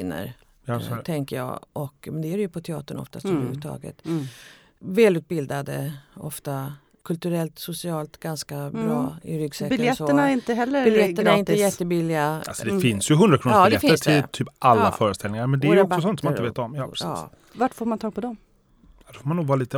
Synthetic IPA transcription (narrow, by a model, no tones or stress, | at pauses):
inə̰ɾ | at̪ʰɛŋkəjɑ̰ːʔɔkmɛnd̪ɛæɾɛjɵpʰɔt̪ʰɛɑ̰ːt̪əɳɔ̰ft̪ast̪ɔmɾhʉːt̪ʰɑ̰ːɡə̰t̪ | vɛːlʉ̟ːt̪̚bɪld̪ad̪əɔft̪a | kʰɵlt̪ɵɾɛlt̪sʊsɪɑːlt̪ɡanskabɾɑːɪɾʏɡsɛːkbɪljɛsoənaɪnt̪əɦɛlːəɾɪljɛːənaɪnəjɛt̪ːəbilːɪaa̰lsɔd̪ɛfɪnsjɵɦɵnd̪ɾakʰɾuːd̪lɛfɪəst̪ʰɪlt̪ʰyːpʔalːafœːɾəst̪ɛlɪŋaɾmɛnd̪ɛæɾjɔksɔsɔnt̪ɔmnɪveːt̪ɔmjɑːɾsɑ̰ː | vaʈfoːɾmant̪ʰɑːɡ̚pʰɔd̪ɔm | ad̪ɛfoːɾmanuːɡvɑːɾaliːt̪ə